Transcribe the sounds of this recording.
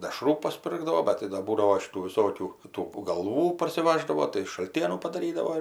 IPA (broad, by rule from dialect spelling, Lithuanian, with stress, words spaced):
dʲɛˈʃruː pɐsʲˈpʲɪrɡdɐʋoː ˈbʲɛt tɐɪ dɐ ˈbuːdɐʋoː ʃʲɪˈtuː ʋʲɪˈsoːkʲuː tuː ɡɐlˠˈʋuː pɐrʲsʲɪˈʋɑːʒdɐʋoː tɐɪ ʃɐlʲˈtʲiɛnuː pɐdɐˈrʲiːdɐʋoː ɪr